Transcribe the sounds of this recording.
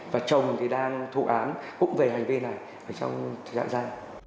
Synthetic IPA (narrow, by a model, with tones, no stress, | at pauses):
vaː˨˩t͡ɕə˨˩wŋ͡mt̪ʰi˨˩ɗaː˧ŋt̪ʰu˧˩ʔaː˨˦nkʊ̰˧˥ŋ͡mve˨˩ɦa˨˩jŋ̟vi˧na˨˩j | ʔəː˧˩t͡ɕɔ̰˧wŋ͡mʰa̰ː˧˨zaː˧j